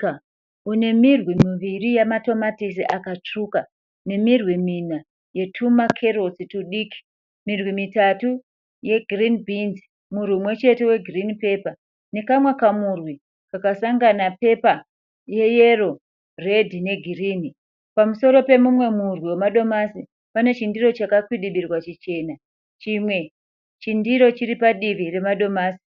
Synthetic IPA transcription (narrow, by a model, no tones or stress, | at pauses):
une̞mirwimiʋirijamato̞matis̬iʔakat͡ʂuka | ne̞mirwimina | je̞tʰumakʰe̞ɾo̞situɗiːki̥ | mirwimitatu | je̞ɡʱirinbʱinz | murwiumwe̞t͡ʃe̞te̞we̞ɡʱirinipe̞ːpa | nekamwakamurwi | kakasaŋɡanape̞pa | je̞je̞ro̞ | re̞dʱine̞ɡʱiriːni | pamuso̞ɾo̞pe̞mumwe̞murwiwemaɗo̞masi | pane̞t͡ʃindiɾo̞t͡ʃakakwiɗiɓirwat͡ʃit͡ʃe̞ːna | t͡ʃimwe̞ | t͡ʃindiɾo̞t͡ʃiɾipaɗiʋire̞maɗo̞maːsi̥